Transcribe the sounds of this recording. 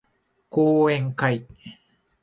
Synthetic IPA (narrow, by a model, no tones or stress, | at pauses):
kuːeŋkaj